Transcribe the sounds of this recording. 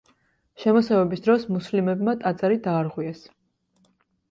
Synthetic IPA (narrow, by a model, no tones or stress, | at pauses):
ʃɛmɔsɛvɛbisd̪ɾɔsmuslimɛbmat̪ʼat̪sʼɛɾid̪aːɾʁwiɛs